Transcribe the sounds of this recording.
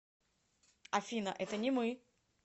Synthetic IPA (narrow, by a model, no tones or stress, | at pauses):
ɐfʲinə̰ʔɛt̪ənʲɪmɨ